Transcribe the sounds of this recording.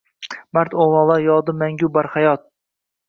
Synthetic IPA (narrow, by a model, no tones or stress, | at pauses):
maɾt̪olˠɒlˠajɒd̪ɪmaŋɡʲʊbaɾhajɒt̪̚